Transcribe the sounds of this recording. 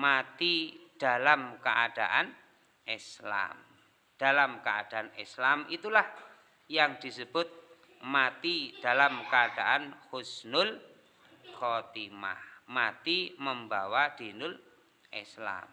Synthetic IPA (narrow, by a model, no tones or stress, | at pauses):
mat̪id̥a̤lamkəʔad̥aʔan | isla̰m | d̥alamkəad̥a̤anḭslamit̪ulah | jaŋd̪̥i̤səb̥ʊt̪̚ | mat̪id̥a̤lamkəad̥aʔanhʊsnʊl | kɔt̪ima̰hmat̪iməmbawad̪̥inʊl | ʔisla̰m